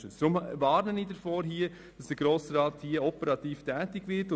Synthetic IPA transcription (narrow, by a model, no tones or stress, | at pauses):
əsd̥ɾʊmʋɑːɾnəniːdəɾfoːɾɦiə | d̥ɑsd̥əɾɡ̥ɾoːsɾaːthiəɔpəɾɑtiːftɛːtɪɡʋɪtʊ